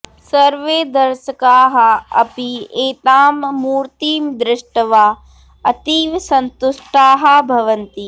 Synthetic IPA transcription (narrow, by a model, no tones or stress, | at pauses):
sɐɾʋeːd̪ɐɾʃɐkaːɦɐɐ̰pieːt̪aːmːuːɾt̪iːmd̪ɾɪʂʈɐʋaː | ɐt̪iːʋsɐnt̪ʊʃʈaːɦabʱɐʋɐnt̪i